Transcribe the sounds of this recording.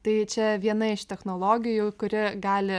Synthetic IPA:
t̪ɐɪt͡ʃʲɛʋʲiɛnɐɪʃt̪ʲɛxnoːlˠoːɡʲɪjukʊɾʲɪɡɑːlʲɪ

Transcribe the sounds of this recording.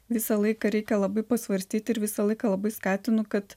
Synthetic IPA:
ʋʲɪsɐlˠɐɪkɐɾʲɛɪkʲɛlˠɐbɐɪpɐsʲʋɐɾʲsʲt̪ʲiːt̪ʲɪɾʋʲɪsɐlˠɐɪkɐlˠɐbɐɪskɑːt̪ʲɪnʊkɐt̪

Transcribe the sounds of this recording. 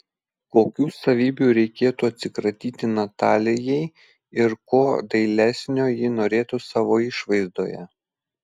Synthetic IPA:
koːkʲuːsɐʋʲiːbʲuːɾʲɛɪkʲeːt̪uɐt̪ʲsʲɪkɾɐt̪ʲiːt̪ʲɪnɐt̪ɑːlʲɪjɛɪ | ɪɾkoːd̪ɐɪlʲæsʲnʲoːjɪnoːɾʲeːt̪usɑːʋoːɪʃʋɐɪzd̪oːjɛ̰

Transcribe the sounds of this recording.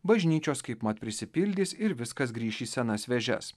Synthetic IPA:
bɐʒʲnʲiːt͡ʃʲoːskɐɪpmɐt̪̚pʲɾʲɪsʲɪpʲɪlʲd̪ʲiːsɪɾʋʲɪskɐs̬ɡɾʲiːʃʲiːsʲɛnɐsʋʲɛʒʲɛ̰s

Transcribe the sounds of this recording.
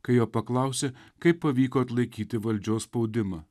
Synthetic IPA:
kɐɪjoːpɐklˠɐˑʊsʲekɐɪppːɐʋʲiːkoːɐt̪lˠɐɪkʲiːt̪ʲɪʋɐlʲd͡ʒʲoːsspɐʊd̪ʲɪmɐː

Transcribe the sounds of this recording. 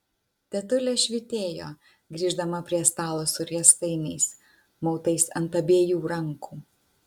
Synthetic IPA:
t̪ʲɛt̪ʊlʲɛːʃʲʋʲɪt̪ʲeːjoː | ɡɾʲiːʒd̪ɐmɐpʲɾʲiɛst̪ɑːlˠoːsʊɾʲɛst̪ɐɪnʲɛɪs | mɒʊt̪ɐɪsɐnt̪ɐbʲeːjuːɾɐŋkuː

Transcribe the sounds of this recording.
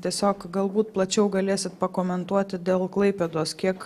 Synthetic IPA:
t̪ʲiɛsʲoːkɡɐlˠbuːt̪plˠɐt͡ʃʲɛʊɡɐlʲeːsʲɪt̪pɐkoːmʲɛnt̪uɔt̪ʲɪd̪ʲeːlˠklˠɐɪpʲed̪oːskʲiɛk

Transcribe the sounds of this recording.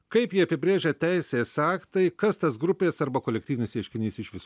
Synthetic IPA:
kɐɪpjiːɐpʲɪbʲɾʲeːʒʲɛt̪ʲæɪsʲeːsɑːkt̪ɐɪkɐst̪ɐsɡɾʊpʲeːsɐɾbɐkoːlʲɛkt̪ʲiːʋʲɪnʲɪsʲɛɪʃʲkʲɪnʲiːsɪʃʋʲɪs

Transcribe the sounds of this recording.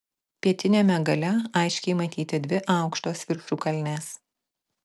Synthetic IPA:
pʲiɛt̪ʲɪnʲeːmʲɛɡɐlʲɛɐɪʃʲkʲɛɪmɐt̪ʲiːt̪ʲɪd̪ʲʋʲɪʔɑˑʊkʃt̪oːsʋʲɪɾʲʃʲuːkɐlʲnʲeːs

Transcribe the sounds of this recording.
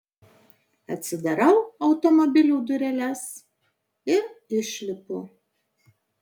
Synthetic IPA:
ɐ̰t̪ʲsʲɪd̪ɐɾɐʊɐʊt̪ɔmɔbʲɪlʲuːd̪ʊɾʲɛlʲɛs | ɪɾɪʃʲlʲɪpʊ

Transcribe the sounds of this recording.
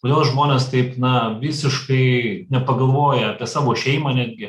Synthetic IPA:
toːdʲeːlˠʒmoːnʲeːst̪ɐɪpnɐʋʲɪsʲɪʃkɐɪnʲɛpɐɡɐlˠʋoːjɛɐpʲiɛsɑːʋoːʃʲɛɪmɐnʲæːd̪ʲɡʲɪ

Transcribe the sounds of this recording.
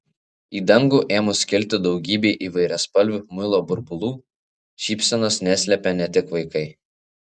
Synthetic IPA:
iːd̪ɐŋɡuːʔeːmʊsʲkʲɪlʲt̪ʲɪd̪ɒʊɡʲiːbʲeːʔiːʋɐɪɾʲɛspɐlʲʋʲʊmʊjlˠoːbʊɾbʊlˠuː | ʃʲiːpʲsʲɛnoːsnʲɛsʲlʲɛpʲɛnʲɛt̪ʲɪkʋɐɪkɐɪ

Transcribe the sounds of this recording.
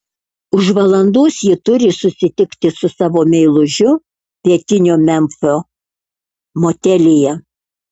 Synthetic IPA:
ʊʃʋɐlˠɐnd̪uːsjɪt̪ʊɾʲɪsʊsʲɪt̪ʲɪkt̪ʲɪsʊsɑːʋoːmʲɛɪlˠʊʒʲʊ | pʲiɛt̪ʲɪnʲoːmʲɛmfoː | moːt̪ʲɛlʲeːjɛ

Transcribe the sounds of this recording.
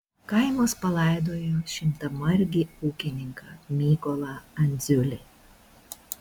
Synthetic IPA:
kɐɪmoːspɐlˠɐˑɪd̪oːjoːʃʲɪmt̪ɐmɐɾʲɡʲiuːkʲɪnʲɪŋkɐmʲiːkɔlˠɐɐnʲd̪zʲʊlʲe

